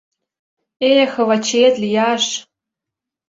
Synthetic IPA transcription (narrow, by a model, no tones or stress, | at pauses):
exɤ̆βɑt͡ɕet̪lʲijɑʃ